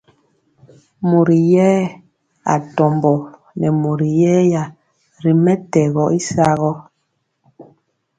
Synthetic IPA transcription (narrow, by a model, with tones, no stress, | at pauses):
mo˨ɾi˨jɛː˦ | a̰˨tɔ˨mbɔ˨ | nɛ˨mo˨ɾi˨jɛː˦ja˨ | ɾi˨mɛ˦tɛ˨ɣɔ˨˦ʔi˦sa˦ɣɔ˦